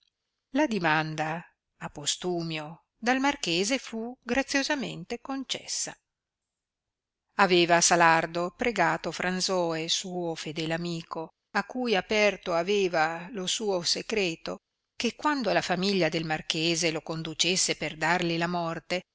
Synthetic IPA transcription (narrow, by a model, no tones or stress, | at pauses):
lad̪imand̪aː | pːost̪uːmjo | d̪almarkeːzefuɡɾat̪sːjozamḛnt̪ekont͡ʃɛ̰sːa | aveːvasalard̪opɾeɡaːt̪ofɾanzɔːesuːofed̪ɛːlamiːko | akːujapɛrt̪oaveːvalosuːoseɡɾeːt̪o | kekːwand̪olafamiʎːad̪elmarkeːzelokond̪ut͡ʃesːeperd̪arlilamɔrt̪e